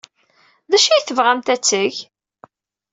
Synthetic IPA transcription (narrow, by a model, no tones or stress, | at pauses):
ðæʃijθəvʁæmt̪æt͡sːəʝ